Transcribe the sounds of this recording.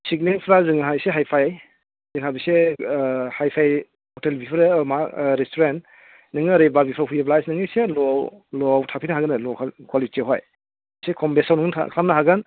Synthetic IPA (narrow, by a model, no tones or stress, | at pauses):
sik̚niŋpʰɾazɯŋɦajseɦajpʰaj | zɯŋɦabise | hajpʰaj | hɔtelbʱipʰɾmaɾestʰoɾent | nɯŋɯɾebabipʰɾahujeblajsnɯŋɯselɔwlɔwtʰapʰinaɦaɡɯnɯlɔkʰkʰɔlieɦɔj | sekʰɔmbesawnɯŋtʰa̰kʰɾamnɐɦaɡɯn